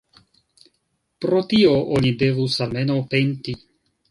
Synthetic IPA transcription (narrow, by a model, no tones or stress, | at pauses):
pɾo̞tio̞ʔonide̞vusalme̞nowpe̞nti